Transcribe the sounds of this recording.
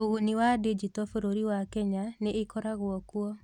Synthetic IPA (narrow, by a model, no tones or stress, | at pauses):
oɣuniwaded͡ʒitɔfoɾoɾiwakɛɲaneːkɔɾaɣwɔkwɔ